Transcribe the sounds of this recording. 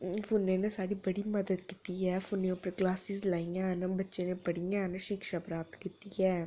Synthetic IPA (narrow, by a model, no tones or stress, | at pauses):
fʰʊnːẽːnesaːɽiːbəɽiːməd̪əd̪kiːt̪iːɛːfʰʊneõːpəɾɡlaːsiːzlaːijãːɦnbətːʃeːnepəɽijãːɦnʃikʃaːpɾaːp̚t̪kit̪iːɛː